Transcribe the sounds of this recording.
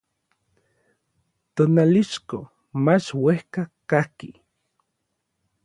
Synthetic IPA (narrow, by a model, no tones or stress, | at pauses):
t̪onaliʃko | mat͡ʃwehkakahki